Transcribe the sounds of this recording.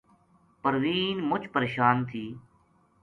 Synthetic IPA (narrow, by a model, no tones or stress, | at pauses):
pəɾʋiːnmʊt͡ʃʰpəɾeːʃaːnt̪ʰiː